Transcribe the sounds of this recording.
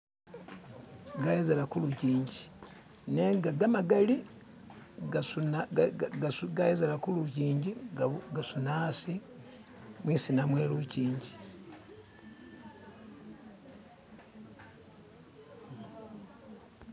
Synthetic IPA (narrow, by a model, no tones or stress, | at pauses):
ɡajezelakuluciːɲɟi | neŋɡaɡamaɡali | ɡasuna | suɡajezelakuluciːɲɟiɡaɡasunasi | mwiːsinamweːluciːɲɟi